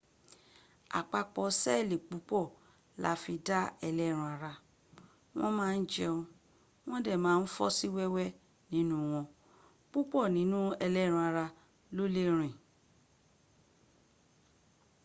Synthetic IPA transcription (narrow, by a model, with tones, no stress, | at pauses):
a̰˨k͡pa˧k͡pɔ˧sɛ˦˨le˨k͡pu˨˦k͡pɔ˦˨ | la̰˨˦fi˧da˦ɛ˧lɛ˦˨ɾ̃ũ˧a˧ɾa˧ | w̃ɔ̃˦mãː˦˧n̩˦d͡ʒɛ˦ũ˧ | w̃ɔ̃˦dɛ˦˨mãː˨˦n̩˦fɔ˦si˦wɛ˦wɛ˦ | nĩ˨˦nũ˦w̃ɔ̃˧ | k͡pu˦k͡pɔ˦˨nĩ˨˦nũ˦ɛ˧lɛ˦˨ɾ̃ũ˧a˧ɾa˧ | lo˦le˦ɾ̃ĩ˨